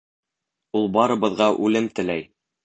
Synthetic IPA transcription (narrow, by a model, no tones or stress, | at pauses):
ulˠbɑɾɤ̆βɤ̆ðʁɑʔʉlɘmt̪ɘ̆læj